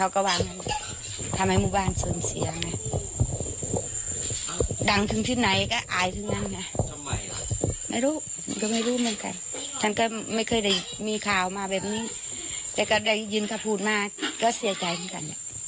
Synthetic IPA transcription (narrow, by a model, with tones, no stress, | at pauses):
kʰa˧˩wka˧˩waː˧˩ma˧˨n | t̪ʰa˧mha˧˩jmuː˧˩baː˧˩˨nsɤː˨˦msi˨˦ɐna˧˩ | da˨˦ŋt̪ʰɯ˨˦ŋt̪ʰi˧˩na˨˦jka˧˩ʔaː˨˦jt̪ʰɯ˨˧˦ŋna˧˥˨na˧˩˧ | ma˧˩˨jɾuː˧˥˨ | ma˧˨ka˧˩ma˧˩˨jɾuː˧˥˨mɯ˧˥˨nka̰˨n | t̪ʰa˧˩˨nka˧˩ma˧˥˩jkʰɤː˧˨jda˧˩j | miː˧˨kʰaː˨˩wmaː˧bɛː˨˩p̚niː˧˥˨ | t̪ɛː˧˩wka˧˩da˧˩jjɯː˧˥˨nkʰa˧˩pʰuː˧˩t̪̚maː˧kaː˧˩si˨˦ɐt͡ɕa˨jmʰaː˧˥˨ka̰˨nda˧˦